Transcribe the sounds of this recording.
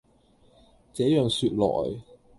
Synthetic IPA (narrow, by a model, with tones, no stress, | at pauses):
t͡sɛː˨˥jœː˨˩ŋsyː˧t̚lɔ̰ː˨˩j